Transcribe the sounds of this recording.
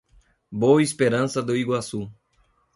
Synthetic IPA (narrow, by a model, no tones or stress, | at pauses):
boispeɾɐ̃sɐd̪ʊiɡwasu